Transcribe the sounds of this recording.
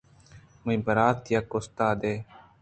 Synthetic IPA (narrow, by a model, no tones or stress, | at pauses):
muĩbəɾaːt̪jakːost̪aːd̪eː